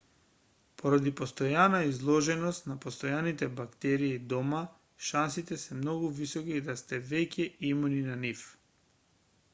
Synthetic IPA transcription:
poɾad̪ipɔst̪ɔjanaizlˠɔʒɛnɔst̪napost̪ɔjanit̪ɛbakt̪ɛɾiːd̪ɔma | ʃansit̪ɛsɛmnɔɡuvisɔkid̪ast̪ɛvɛcɛimuninanif

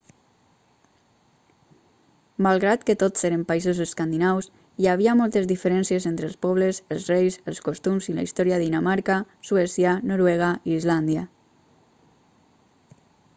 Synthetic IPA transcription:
malˠɣɾat̪kət̪ott͡seɾəmpaizozeskand̪inaws | iaβ̞iamɔlˠt̪ezðifəɾɛnsiezent̪ɾəlˠspɔβ̞ləzəlˠzrejsəlˠskost̪umzila̰ist̪ɔɾiaðinamaɾkasuɛsjanoɾwɛɣ̞aiːzland̪ia

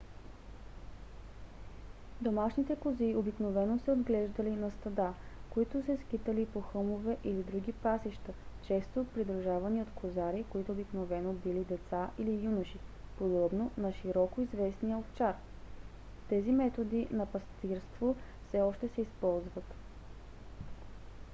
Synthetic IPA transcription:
d̪omaʃnit̪ɛkʊziobiknovɛnosɛod̪ɡlɛʒd̪əlinɐst̪ɐd̪akoit̪ʊsɛskit̪əlipoxɤmovɛʔilid̪ɾuɡ̟ipasiʃt̪ət͡ʃɛst̪opɾid̪ɾuʒavɐniot̪kʰozaɾikoit̪oobiknovɛnobilid̪ɛt̪saʔilijunəʃipod̪ɔbnonɐʃiɾɔkoizvɛsnijəoft͡ʃaɾ | t̪ɛzimɛt̪od̪inɐpɐst̪iɾst̪vofsɛɔʃt̪ɛsɛispɔlˠzvət̪

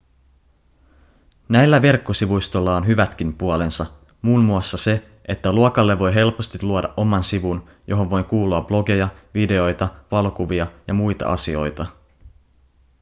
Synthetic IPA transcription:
næjlːæʋe̞rkːosiʋujst̪o̞lːɑonɦyʋæt̪kimpuole̞nsɑ | muːnmuɑsːɑse̞ | et̪ːæluokɑlːe̞ʋo̞jɦe̞lpo̞st̪iluodɑʔo̞mɑnsiʋun | jʔo̞ɦo̞ʋʋo̞jkuːluɑb̥lo̞ɡe̞jɑʋide̞o̞jt̪ɑʋɑlo̞kuʋiɑjɑmujt̪ɑ̰ʔɑ̰sio̞̰jt̪ɑ

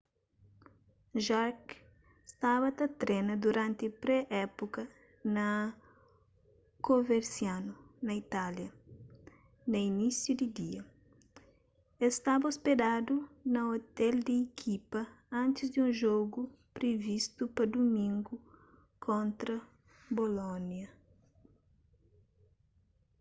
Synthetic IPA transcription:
ʒaɾk | st̪aβɐt̪ɐt̪ɾɛnɐd̪uɾãnt̪ɪpɾɛʔɛpukɐ | nɐ | koveɾsjanunɐit̪aljɐ | nɐinisjud̪id̪iɐ | est̪abɐosped̪ad̪unɐot̪ɛld̪ɪːkʰipɐ | ɐ̃nt̪ɪzd̪ũnʒoɡu | pɾevist̪upɐd̪umĩŋɡu | kʰõnt̪ɾɐ | bolonjɐ

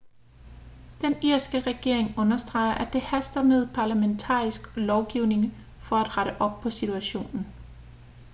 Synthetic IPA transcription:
d̥eniɐ̰sɡ̥əʁɛɡ̥e̝ɐ̰eŋɔ̽nɐsd̥ʁɑ̈ɪɐʔæd̥e̝hæsd̥ɐmeð̞̰ˠpʰɑ̈ːlæment͡sʰɑ̰̈ːisɡ̥lɒʊɡ̥iʊne̝ŋ | fɒ̽æd̥ʁɑɾ̥əʔɒ̽b̥̚pʰɒ̽sit͡sʰuæɕo̝̰ːnn̩

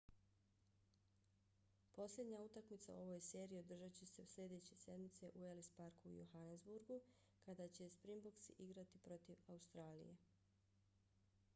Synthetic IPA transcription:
po̞slʲed̪ɲaut̪akmit̪sa̰o̞ʋo̞jse̞ːɾiːod̪r̩ʒat͡ɕesesʎʲe̞d̪e̞t͡ɕe̞se̞d̪mit̪se̞ʔuelispaɾkuːjuxanezbuɾɡu | kad̪at͡ɕe̞spɾimboksiʔiɡɾat̪ipɾo̞t̪iʋaust̪ɾaːlḭje̞̰

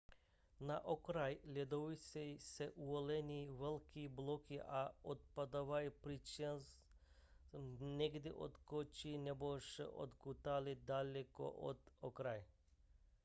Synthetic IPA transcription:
naʔokɾajlʲɛd̪ovisɛsɛʔuolɛniʋɛlkiblˠokiʔaot̪̚pad̪aʋajpɾit͡ʃens | nɛɡd̪ɛʔo̰t̪kot͡ʃinɛboʃḛʔo̰d̪kut̪alid̪alʲɛko̰ʔo̰t̪okɾaj

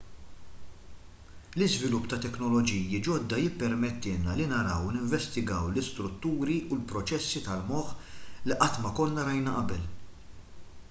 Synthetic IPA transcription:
lɪzvɪlʊpːt̪ɐt̪ɛknɔlɔd͡ʒiːjid͡ʒɔd̪ːɐjɪpːɛɾmɛt̪ːɪːlnɐlinɐɾɐwnɪɱvɛst̪ɪɡɐwlɪst̪ɾʊt̪ːuːɾiulpɾɔt͡ʃɛsːit̪ɐlmɔħliʔɐt̪ːmɐkɔlnɐɾɐjnɐʔɐbɛl

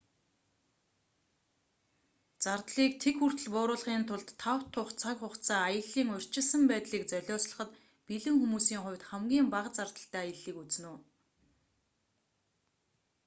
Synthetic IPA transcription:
t͡sart̪ɮiːk̚t̪ʰekxur̥t̪ɘ̆ɮpʊːɾʊːɮχiːnt̪ʰʊɮt̪ʰːawt̪ʰːʊχt͡sʰakʲχʊχt͡sʰaːjə̆ɮiːŋʊ̟r̥ʲt͡ɕɪ̆ɮsə̆mpæːt̪ɮiːkt͡sœɮʲɔːsɮə̆χə̆t̪ | piɮɘ̆ŋxumuːsiːŋχʊ̟wʲt̪χæmɡʲiːmpaʁt͡sart̪ə̆ɬt̪æːajə̆ɮiːkut͡snuː

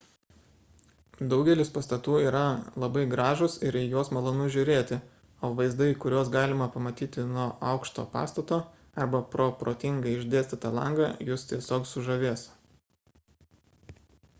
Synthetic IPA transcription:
d̪ɒʊɡʲɛlʲɪspɐst̪ɐt̪uːiːɾɐlˠɐbɐɪɡɾɑːʒʊsɪɾijoɔsmɐlˠoːnʊʒʲʊɾʲeːt̪ʲɪ | oːʋɐɪzd̪ɐɪkʊɾʲoɔsɡɑːlʲɪmɐpɐmɐt̪ʲiːt̪ʲɪnuɔːɐʊkʃt̪o̰ːpɑ̰ːst̪ɐt̪oː | ɐɾbɐpɾoːpɾoːt̪ʲɪŋɡɐɪɪʒʲd̪ʲeːsʲt̪ʲɪt̪ɐlˠɐ̰ŋɡɑjʊst̪ʲiɛsʲoːksʊʒɐʋʲeːs

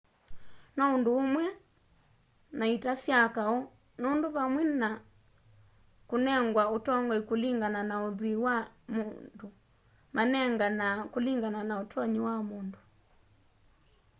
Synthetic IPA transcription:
naondoːmwɛ | naitasjakaɔ | nandoβamwɛna | konɛŋɡwaotɔŋɡɔikuliŋɡananaoðwiwamundo | manɛŋɡanakoliŋɡananaotʰɔɲiwamundu

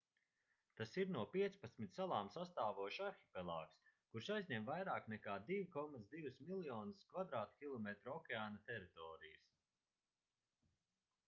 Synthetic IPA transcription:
t̪asiɾnuɔpʲiɛt̪spat̪smʲit̪salˠaːmsast̪aːvuɔʃaɾxipɛlˠaːkskuɾʃajzʲɲɛmvajɾaːknɛkaːd̪ivikɔmat̪sd̪ivusmilˠjɔːnɨskvad̪ɾaːt̪kʲilˠɔmet̪ɾɔkʲɛaːnat̪ɛɾit̪ɔːɾijəs

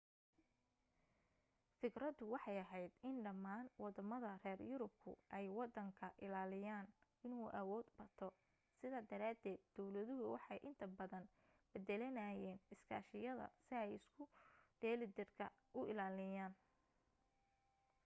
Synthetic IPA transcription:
fɪkrɐd̪ʊwɑħɑjɐɦɛjd̪ɪnɖɐmːaːnwɑd̪ɐmɐðɐrɛːrjʊɾʊb̚kʰʊ̰ʔɛjwɑd̪ːɐŋkʰɐʔɪlaːlɪjaːn | ɪnuːʔɐwɔːd̪bɐt̪ʰɔ | sɪðaːd̪ɐɾaːd̪ɛːd̪̚ːɔwlɐðʊɦʊwɑħɑjʔɪnt̪ʰɐbɐðɐn | bɛd̪ɛlɐnɐːjɛːnɪskʰa̰ːʃɪjɐðɐ̰sɪɛjɪskʰʊɖɛːlɪd̪ɪrkʰɐ̰ | ʔʊʔɪlaːlɪjaːn

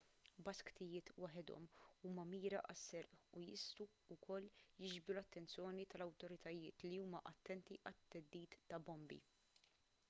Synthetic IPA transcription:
bɐskt̪ɪjɪːt̪wɐħɪd̪ɔ̰muːmɐmiːɾɐʔɐsːɛɾʔujɪst̪u | ʊkʰɔlːjɪd͡ʒbɾulɐt̪ːɛnt͡sjɔːnit̪ɐlɐwt̪ɔɾɪt̪ɐjɪːt̪liuːmɐʔɐt̪ːɛnt̪iʔɐt̪ːɛd̪ːiːt̪ːɐbɔmbḭ

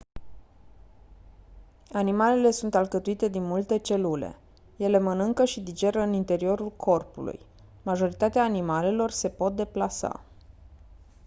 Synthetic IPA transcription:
animale̞le̞sunt̪alkət̪uit̪e̞d̪inmult̪e̞t͡ʃe̞lule̞̰ | je̞le̞mənɨŋkəʃid̪id͡ʒe̞ɾəɨnint̪e̞ɾio̞ɾulkʰo̞rpṵlṵj | maʒo̞ɾit̪at̪eaːnimale̞lo̞rse̞po̞t̪̚d̪e̞plasa̰

